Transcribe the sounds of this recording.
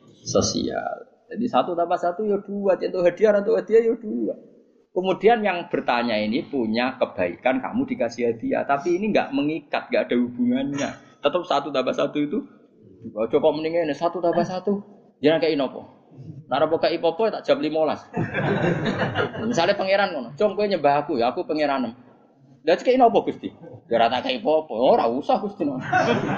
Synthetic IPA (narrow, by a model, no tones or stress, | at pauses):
səsḭa̰l | d͡ʒadisat̪ut̪ampasat̪ujod̥uat̪ant̪uʔɦad̪iaɾant̪uʔhad̪iajod̥uwa | kəmudianjaŋb̥ərt̪aɲainipuɲakəb̥aḭkanka̰mudikasiɦad̪ia̰t̪apiːniŋɡa̰ʔməŋikat̪̚ŋɡaʔad̥aɦub̥uŋanɲa̰ | t̪ət̪əp̚sat̪ut̪abasat̪uit̪u | ɔt͡ʃokɔʔməniŋanɪsat̪ut̪abasat̪u | d͡ʒanakaʔinɔpɔ̰ | naɾapɔkaʔipɔpɔt̪aʔd͡ʒ̥ap̚limolas | misalepəŋeɾankɔnɔt͡ʃɔŋkueɲəbaɦakujaːkupəŋeɾanəm | dat͡ʃkainɔpɔɡ̥ust̪id͡ʒaɾat̪akaʔipɔpɔɔɾa̰usahɡust̪inɔ